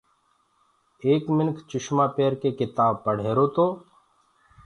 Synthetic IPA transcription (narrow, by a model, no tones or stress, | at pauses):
eːkmɪnkʰt͡ʃʊʃmaːpeːɾkekɪt̪aːb̚pəɽ̤eːɾoːt̪oː